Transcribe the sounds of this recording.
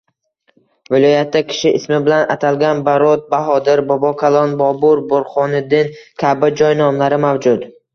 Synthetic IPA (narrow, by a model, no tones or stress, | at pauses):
vɪlˠɒjat̪ʰːakʲʰɪ̥ʃɪʔɪ̰smɪbɪlana̰t̪ʰalɡʲanbaɾɔt̪̚baɦɒd̪ɪɾbɒbɒkʰalˠɒnbɒbʊɾboɾχɒnɪd̪ɪnkʲʰabɪd͡ʒɒjnɒmlaɾɪmawd͡ʒʊd̪